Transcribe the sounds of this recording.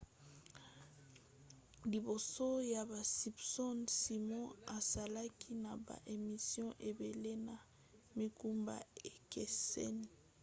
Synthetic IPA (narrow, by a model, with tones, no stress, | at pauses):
li˨bo˨so˦ja˨ba˨si˨bsɔ˦nsi˨mɔ̃˦a˨sa˨la˦kʰi˦na˨ba̰˨ʔe˨mi˨sjɔ̃˦ʔe˨be˨le˦na˨ | mi˦ku˦mba̰˦e˨ke˨sɛ̰˦ni˨